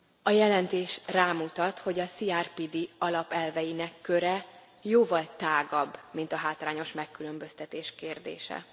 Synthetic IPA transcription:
ɒjɛlɛnt̪eːʃraːmut̪ɒt̪ho̞ɟɒsiaːrpid̪iɒlɒpɛlvɛjinɛkːøɾɛ | joːvɒlt̪aːɡɒbːmint̪ɒɦaːt̪laːɲo̞ʃmɛkːylø̞mbø̞st̪ɛt̪eːʃkeːrd̪ḛːʃɛ̰

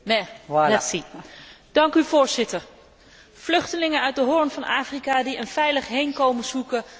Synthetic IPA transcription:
nɛɛsid̥ɑŋkyvʊːɹzɪtəɹ | v̥lɵχtəlɪŋənœɥt̚dəɦʊɹnvɑnaːfrikaːdiənvɛjləχɦejnkowmənzukə

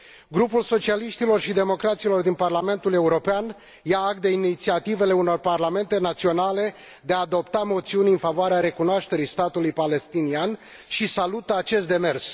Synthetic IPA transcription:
ɡɾupulso̞t͡ʃialiʃt̪ilo̞rʃid̪e̞mo̞kɾat̪silo̞rd̪inparlame̞nt̪ule̞uɾo̞pean | jaak̚t̪̚d̪e̞init̪siat̪ive̞le̞uno̞rparlame̞nt̪e̞nat̪sio̞nale̞ | d̪e̞aːd̪o̞pt̪amo̞t̪siunʲɨnfavoaɾeaɾe̞kunoaʃt̪e̞ɾijst̪at̪ulujpale̞st̪inian | ʃisalut̪əat͡ʃe̞st̪d̪e̞me̞rs

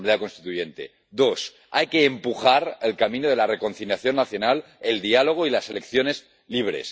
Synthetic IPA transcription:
iðako̞nst̪it̪uje̞nt̪e̞̰ | d̪o̞s | ajke̞ːmpuxaɾelkamĩnoð̞e̞lare̞ko̞nθiljaθjo̞nːaθjonaleld̪ialo̞ɣ̞oilase̞lekθjo̞ne̞z | liβ̞ɾe̞̰s

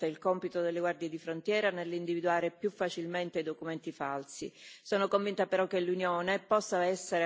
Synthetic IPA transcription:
eilkɔmpit̪od̪elːeɡward̪jed̪ifɾont̪jɛːɾanelːind̪ivid̪uaːɾepjufːat͡ʃilment̪ed̪okument̪ifalsḭsoːnokoɱvint̪apeɾɔk̟ːelːunjoːnepɔsːaɛsːeɾe

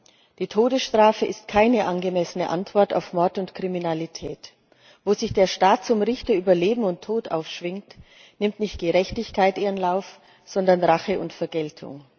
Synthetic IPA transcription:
d̥iːtʰoːdəsʃtʁ̥aːfəɪstkʰaɪnəʔanɡəmɛsənəʔantv̥ɔɐta̰ʊfmɔɐtʊntkʁ̥iminalitʰɛːt | voːzɪçd̥eːɐʃtaːt̚t͡sʊmʁɪçtɐyːbɐleːbm̩ʊntʰːoːtʔa̰ʊfʃv̥ɪŋt | nɪmtnɪçt̚ɡ̥əʁɛçtɪçkʰaɪtʔeːʁənlaʊf | z̥ɔndɐnʁaχəʊntfɛɐɡɛltʰʊ̰ŋ

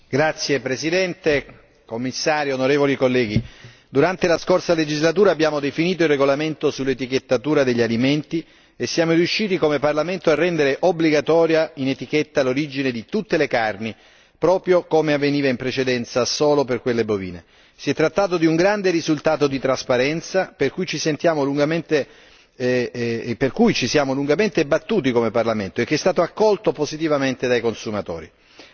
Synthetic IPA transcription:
ɡɾat̪sːjepɾesid̪ɛnt̪e | komːisːaːɾionoɾeːvolikolːɛːɡi | d̪uɾant̪elaskorsaled͡ʒizlat̪uːɾaːbːjaːmod̪efiniːt̪oilrːeɡolament̪osulːet̪ik̟et̪ːat̪uːɾad̪eʎːaliment̪i | esːjaːmoɾjuʃːiːt̪ikomeparlament̪oarːɛnd̪eɾeʔobliɡat̪ɔːɾjainet̪ik̟et̪ːaloɾid͡ʒined̪it̪ut̪ːelekarni | pɾɔːpɾjokomeavːeniːvaimpɾet͡ʃed̪ɛnt̪sasoːloperkwelːebovḭːnḛ | siɛt̪ːɾat̪ːaːt̪̬od̪iuŋɡɾand̪eɾizult̪aːt̪od̪it̪ɾaspaɾɛnt̪saperkujt͡ʃisent̪jaːmoluŋɡament̪e | perkujt͡ʃisjaːmoluŋɡament̪ebat̪ːuːt̪̬ikomeparlament̪oek̟ːeɛst̪aːt̪oakːɔlt̪opozit̪̬ivament̪ed̪ajkonsumat̪ɔ̰ːɾi

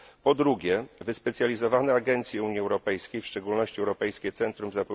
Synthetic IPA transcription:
pɔd̪ɾuɡʲɛvɘspɛt̪sʲjalʲizɔvanɛaɡɛnt̪sʲjɛuɲiɛwɾɔpɛjskʲejfʂt͡ʂɛɡulnɔɕt͡ɕiɛwɾɔpɛjskʲɛt̪sɛnt̪ɾumzapɔ

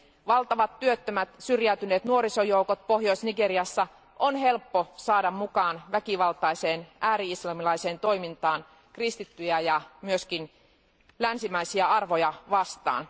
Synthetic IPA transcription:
ʋɑlt̪ɑʋɑt̪tyøt̪ːømæt̪syrjæyt̪yneːt̪nuoɾisojoukot̪̚pohjoisniɡeɾiɑsːɑ | ʔonɦe̞lpːosɑːdɑmmukɑːnʋækiʋɑlt̪ɑise̞ːnʔæːɾiislɑmilɑiseːnt̪o̞imint̪ɑːn | krist̪it̪ːyjæjɑmyøskin | lænsimæisiæɑrʋojɑʋɑst̪ɑ̰ːn

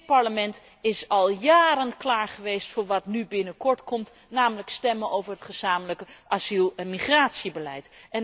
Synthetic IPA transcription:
pɑɹləmɛnt | ɪsɑlˠjaːɾənklaːɹχəʋejstfʊːɹʋɑtnybɪnəkɔɹtkɔmt | naːmələkstɛmənowvəɹɦətχəz̥aːmələkəʔazilˠɛnmiχraːtsibəlɛ̰jtɛn

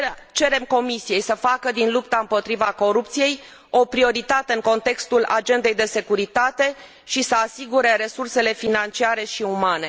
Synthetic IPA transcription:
t͡ʃe̞ɾe̞mko̞misije̞jsəfakəd̪inlupt̪aɨmpo̞t̪ɾivako̞ɾupt̪sije̞j | o̞pɾio̞ɾit̪at̪e̞ɨŋko̞nt̪e̞kst̪ula̰d͡ʒe̞nd̪e̞jd̪e̞se̞kuɾit̪at̪e̞ | ʃisəasiɡuɾe̞ɾe̞surse̞le̞finant͡ʃiaɾe̞ʃiumane̞

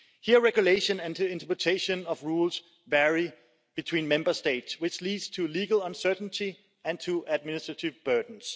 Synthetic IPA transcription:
hiəɹɛɡjuleɪʃə̃næ̃nɪ̃ntʰəpʰɹətʰeɪʃə̃nʌvɹuːls | vɛɹi | b̥ɨtʰw̥ĩːnmɛ̃mbəsteɪtswɪt͡ʃliːdstʰuliːɡəlʌ̃nsɜ˞ʔn̩tʰi | æ̃ntʰuæd̚mɪnɪstɹ̥ətʰɪvbɜ˞dn̩s

